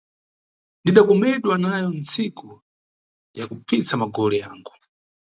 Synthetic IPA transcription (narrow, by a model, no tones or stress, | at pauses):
ndiɗakɔmɛɗwanajɔnt͡sikʰu | jakupp͡fisamaɡɔlɛja̰ːŋɡu